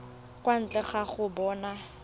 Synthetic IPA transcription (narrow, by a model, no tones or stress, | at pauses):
kʼwan̩t͡ɬʼɛχaχʊbɔːna